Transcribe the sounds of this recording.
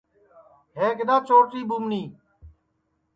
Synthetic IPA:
ɦeːkɪd̪aːt͡ʃoːʈiːbumniː

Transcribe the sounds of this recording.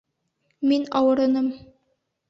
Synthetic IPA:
minɑwɤ̆ɾɤ̆nɤm

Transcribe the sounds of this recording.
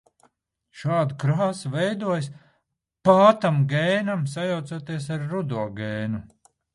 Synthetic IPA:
ʃaːd̪ukɾaːsuvɛjd̪uɔjs | paːt̪amɡɛjnamsajawt̪suɔt̪iɛs̬aɾːud̪uɔɡɛːnu

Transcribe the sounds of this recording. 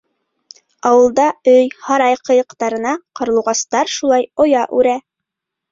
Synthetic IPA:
ɑwɤ̆lˠd̪ɑɵjhɑɾɑjqɤ̆jɤ̆qt̪ɑɾɤ̆nɑqɤ̆ɾlˠɤ̆wʁɑst̪ɑɾʃulˠɑjojɑʔʉɾæ

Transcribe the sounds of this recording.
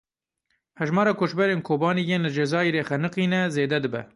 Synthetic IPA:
hɛʒmɑːɾɑːkʰoːʃbɛɾeːnkʰoːbɑːniːjeːnlɨd͡ʒɛzɑːiɾeːxɛnɨqiːnɛzeːd̪ɛd̪ɨbɛ̰

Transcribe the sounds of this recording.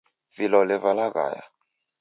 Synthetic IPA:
filɔlɛvalaka̰ːja̰

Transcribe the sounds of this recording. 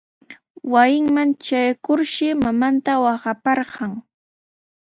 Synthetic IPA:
wajɪŋmant͡ʃajkʊɾʃɪmamant̪awɑɢɑpɑɾɢɑŋ

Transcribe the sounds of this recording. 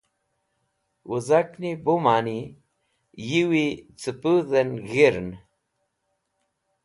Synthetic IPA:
wʔuzaknibumaːni | jiwit͡sɨpuðenɣiɾn

